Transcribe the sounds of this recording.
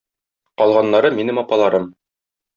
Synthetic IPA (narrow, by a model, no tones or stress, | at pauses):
qɒlˠʁɑnːɑɾɤminɘmɒpɑlˠɑɾɤm